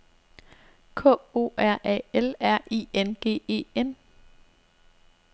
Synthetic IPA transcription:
kʰɔ̰̽ːo̝̰ːæɐ̰ʔɛ̰elæɐ̰ʔiːenɡ̥e̝̰ːe̝̰ːen

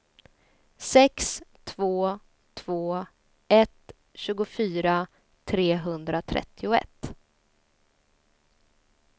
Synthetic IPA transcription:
sɛkst̪ʰvoː | t̪ʰv̥oː | ɛt̪ | ɕʉ̟ːɡʊfyːɾa | t̪ʰɾeːɦɵnd̪ɾat̪ʰɾɛ̰t̪ʰːɪʊɛ̰t̪ː

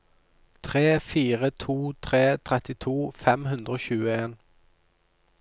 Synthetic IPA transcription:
t̪ʰʁeːfiːʁət̪ʰuːt̪ʰʁeːt̪ʰʁɛt̪ɪt̪ʰuːfɛmhʉnd̪ʁoːçʉːəeːn

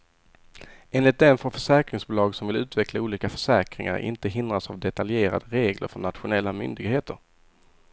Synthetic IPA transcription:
eːnlɪt̪̚d̪ɛnfoɾfœʂɛːkɾɪŋsbʊlɑːɡsɔmvɪlʉ̟ːt̪vɛklauːliːkafœʂɛːkɾɪ̰ŋa̰ɾɪ̰nt̪əɦɪnd̪ɾasavd̪ɛt̪aljeːɾa̰d̪əɾeːɡlə̰ɾfɔɳnat̪ɧʊnɛlːamʏ̰nd̪ɪɡheːt̪əɾ

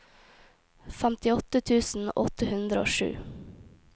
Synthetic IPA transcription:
fɛmt̪ɪɔt̪ət̪ʰʉːsn̩ʔɔ̰t̪əhʉnd̪ɾəo̰ːʃʉ̰ː

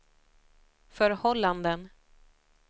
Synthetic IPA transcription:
fœɾhɔlːand̪ən

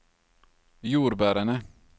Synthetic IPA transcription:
juːɾbæːɾanə

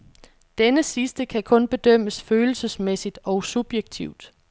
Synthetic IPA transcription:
d̥enəsisd̥əkʰækʰɔ̽nb̥e̝d̥œm̰əsføːl̩səsmesid̥ɒ̽ʊsub̥jeɡ̥t͡sʰiʊd̥

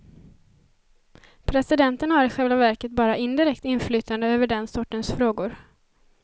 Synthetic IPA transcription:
pʰɾɛsɪd̪ɛnt̪ənhaɾɪɧɛlvavæɾkət̪̚bɑːɾaʔɪnd̪ɪɾɛkt̪ɪnflyːt̪and̪əøːvəɖɛnsɔʈːənsfɾoːɡʊɾ

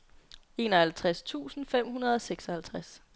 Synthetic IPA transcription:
e̝ːnɒhælt͡sʰʁast͡sʰṵːsn̩fem̰hunɐð̞ˠɒ̽seɡ̥sɒ̽hælt͡sʰʁas

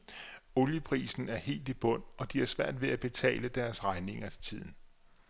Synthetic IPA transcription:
o̝ljəpʰʁḭːsn̩æɐhe̝̰ːld̥ib̥ɔ̽n̰ɒ̽d̥iæɐsʋæɐ̰d̥ʋe̝æb̥e̝t͡sʰɛ̰ːləd̥æɐsʁɑ̈ɪne̝ŋɐe̝̥t͡sʰið̰ˠn̩

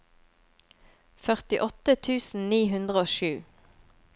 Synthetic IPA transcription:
fœʁt̪ɪʔɔt̪ət̪ʰʉːsn̩niːɦʉnd̪ʁəoːʃʉː

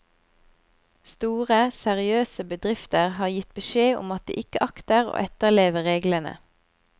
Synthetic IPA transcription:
st̪uːʁəsɛʁɪøːsəbəd̪ʁɪft̪əʁhɑːʁjɪt̪̚bəʃeːʔʊ̰mɑt̪̚d̪ḭːʔɪkəʔɑkt̪əʁo̰ːʔɛt̪əʁleːʋəʁeːɡlənə̰

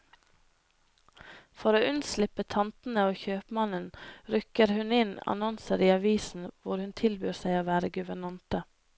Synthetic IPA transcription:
fɔɾoːʉnslɪpət̪ʰɑnt̪n̩əoːçøːpmɑnənɾʉkəɾhʉnɪnɑ̰nɔnsəɾiːɑʋiːsn̩ʋʊɾhʉnt̪ʰɪlbyːɾsæɪoːʋæːɾəɡʉʋəɳɑnt̪ə

